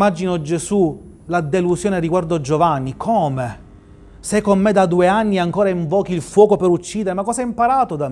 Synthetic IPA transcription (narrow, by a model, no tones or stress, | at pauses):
mad͡ʒinod͡ʒesu | lad̪elusjoːneɾiɡward̪oad͡ʒovanːikʰoːme | sɛkːomːed̪ad̪ueanːiaŋkoːɾaiɱvɔːk̟iilfwɔːkopeɾut͡ʃːiːd̪eɾemakːɔːsɛimpaɾaːt̪od̪a